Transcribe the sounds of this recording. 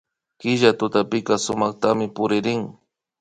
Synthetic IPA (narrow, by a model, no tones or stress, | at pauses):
kɪʒat̪ʊt̪apɪkasʊmɑχt̪amɪpʊɾɪɾɪŋ